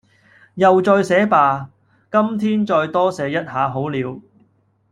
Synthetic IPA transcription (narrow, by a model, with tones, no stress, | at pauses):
jɐ˨wt͡sɔː˧jsɛː˨˥paː˧ | kɐ˥mt̪ʰiː˥nt͡ʃɔː˧jt̪ɔː˥sɛː˨˧jɐ˥t̚haː˨˧ɦo˨˥wliː˨˧w